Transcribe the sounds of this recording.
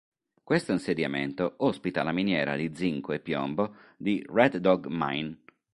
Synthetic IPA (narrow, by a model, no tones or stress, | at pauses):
kwest̪oinsed̪jamḛnt̪oɔspit̪alaminjɛːɾa̰d̪id̪ziŋkoepːjɔ̰mbod̪irɛd̪ːɔɡma̰jn